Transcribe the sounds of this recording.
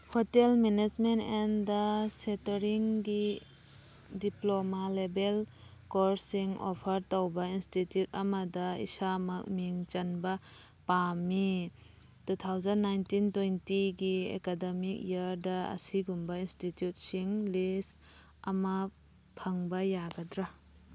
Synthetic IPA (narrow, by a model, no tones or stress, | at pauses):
hotelmened͡ʒmentendɐsetɐɾiŋɡi | diplomalebel | koɾsiŋo̰pʰɐɾtowbɐinstitjut̚ɐmadɐḭsamak̚miŋt͡ʃanba | pami | tut̪ʰawzɐnːajntintwejntiɡiḛkademik̚jɐɾdɐɐ̰siɡumbɐinstitjut̚siŋlis | ɐmɐ | pʰɐŋbɐjaɡɐdɾa